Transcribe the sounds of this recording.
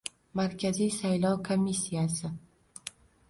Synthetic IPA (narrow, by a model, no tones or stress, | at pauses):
maɾkʲʰazijsajlɒwkʰomʲːisːijasɪ